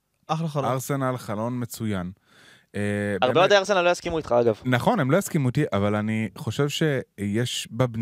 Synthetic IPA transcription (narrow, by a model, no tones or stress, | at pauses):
aχloχaaʁse̞nalχalo̞nme̞t͡sujan | ebaʁebeod̪eaʁsenalojaskimuit̪χaaɡavnaχo̞nemlo̞jaskimut̪iʔavalaniχo̞ʃe̞vʃe̞jeʃbabn